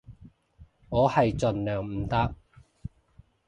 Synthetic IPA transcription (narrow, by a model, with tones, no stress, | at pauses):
ŋɔː˨˧hɐ˨jt͡sɵ˨nlœː˨˩ŋm̩˨˩t̪ɐ˥k̚